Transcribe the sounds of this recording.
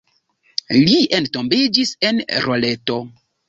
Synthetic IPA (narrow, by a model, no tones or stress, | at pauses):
lientombed͡ʒisenɾoleto